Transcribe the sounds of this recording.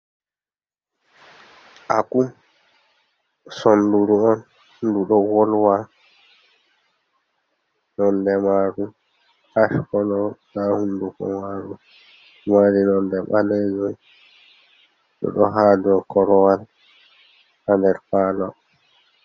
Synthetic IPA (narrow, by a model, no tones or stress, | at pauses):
ʔaku | sɔnduɾuɔn | duɗɔwɔlwa | nɔndɛmaɾu | haʃkɔnɔnahundukɔ̰maɾu | waɾinɔndɛɓalɛd͡ʒɔj | ɗɔ̰ɗɔɦaːdɔkɔɾɔwal | handɛɾfaːlɔ